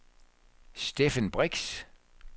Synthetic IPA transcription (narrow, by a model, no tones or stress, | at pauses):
sd̥efənb̥ʁeɡ̥s